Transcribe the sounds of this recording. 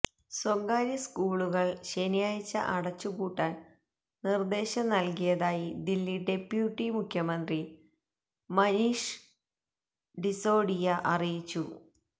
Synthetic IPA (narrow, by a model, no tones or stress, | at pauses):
soŋɡaːɾjɐskuːɭuɣɐɭɕenjaːjɐt͡ɕːɐ̰ʔɐɽɐt͡ɕːukuːʈːɐl | nird̪e̞ːɕɐmnɐlkijɐðaːjid̪ilːiɖe̞pjuːʈːimukʰjɐmɐnd̪ri | mɐniːʂ | ɖiso̞ːɽijɐʔɐrijit͡ɕːu